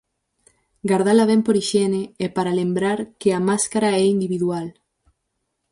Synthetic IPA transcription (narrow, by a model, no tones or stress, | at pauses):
ɡaɾðalaβɛmpoɾiʃɛneepaɾalembɾaɾkeamaskaɾaɛind̪iβiðual